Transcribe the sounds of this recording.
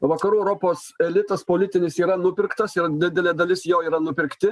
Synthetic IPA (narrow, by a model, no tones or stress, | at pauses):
ʋɐkɐɾuːɛʊɾoːpoːsɛlʲɪt̪ɐspoːlʲɪt̪ʲɪnʲɪsiːɾɐnʊpʲɪɾkt̪ɐsɪɾd̪ʲɪd̪ʲɛlʲeːd̪ɐlʲɪsjɛːiːɾɐnʊpʲɪɾʲkt̪ʲɪ